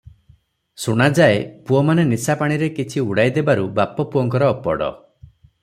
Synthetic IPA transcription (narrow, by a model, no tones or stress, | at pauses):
suɽ̃ad͡ʒaepuɔmanenisapaɽ̃iɾekit͡ʃʰiuɽajd̪ebaɾubapɔpuɔŋkɔɾɔːpɔ̰ɽɔ̰